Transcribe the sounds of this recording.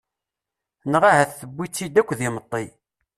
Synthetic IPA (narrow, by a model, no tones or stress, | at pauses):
nʁahæθθəbʷːit͡sːid̪ækʷːðimət̪ˤːi